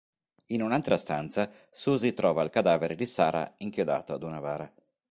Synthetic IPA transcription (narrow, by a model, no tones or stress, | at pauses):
inunalt̪ɾast̪ant̪sa | suːzit̪ɾɔːvalkad̪aːveɾed̪isaːɾa̰iŋkjod̪a̰ːt̪oad̪unavaːɾa